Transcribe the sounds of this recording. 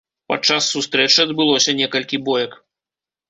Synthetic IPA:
pɐ̰t͡ʂːasːust̪ɾɛt͡ʂɨɐd̪bɨlˠɔsʲɐnʲɛkɐlʲkʲibɔjɐk

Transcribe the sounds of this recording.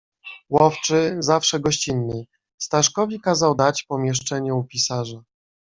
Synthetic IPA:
wɔft͡ʂɘzafʂɛɡɔɕt͡ɕinːɘj | st̪aʂkɔvʲikazawd̪at͡ɕpɔmʲjɛʂt͡ʂɛɲɛupʲisaʐa

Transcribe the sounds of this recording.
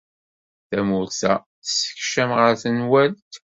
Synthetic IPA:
θæmʊɾθæ | θə̥sə̥çʃæmʁəɾθənwælt̪

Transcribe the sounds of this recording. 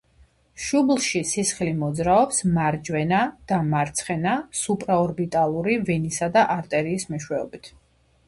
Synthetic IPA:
ʃublˠʃisisχlimɔd̪zɾaɔpsmaɾd͡ʒwɛnad̪̥amaɾt̪sʰχɛnasupʼɾaɔɾbit̪ʼalˠuɾivɛnisad̪aʔaɾt̪ʼɛɾiːsmɛʃwɛɔ̰bit̪ʰ

